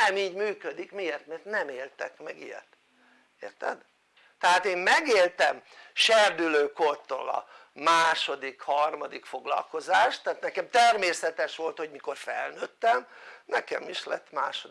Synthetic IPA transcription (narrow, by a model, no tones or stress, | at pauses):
ɛmiːɟmyːkød̪ikmieːrt̪mɛrt̪nɛmeːlt̪ɛkmɛɡijɛ̰t̪ | eːrt̪ɛ̰d̪ | t̪ɛɦaːt̪eːmmɛɡeːlt̪ɛmʃɛrd̪yløːkort̪o̰ːlɒ̰ | maːʃo̞d̪ikhɒrmɒd̪ikfo̞ɡlɒ̰lkozaːʃt̪ːaat̪nɛkɛmt̪ɛrmeːsɛt̪ɛʃʋo̞lt̪ho̞ɟmiko̞rfɛlnøːt̪ːɛmnɛkɛmiʃlɛ̰t̪ːmaːʃod̪